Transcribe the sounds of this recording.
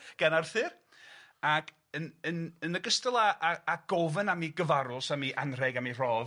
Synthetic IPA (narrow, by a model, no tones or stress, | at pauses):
ɡ̥anarθɨr | akʰ | ənənənəɡəstəlˠaʔːɡ̥ɔvənamiɡəvaɾʊsamiʔanrɛɡamir̥ɔː